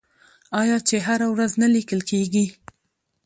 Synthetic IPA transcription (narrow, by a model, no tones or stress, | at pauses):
ɑjɑt͡ʃeɦaɾawɾaznalikəlkeɡi